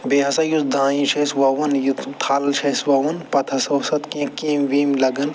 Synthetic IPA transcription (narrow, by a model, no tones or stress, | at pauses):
beːɦɐsɐjut̪d̪ãːĩt͡ʃʰesʋɐʋɐnjut̪t̪ʰːaːlt͡ʃʰɐswɐʋɐnpɐt̪ʰɐsɐwsɐt̪kẽːkĩːmʋiːmlɐɡɐn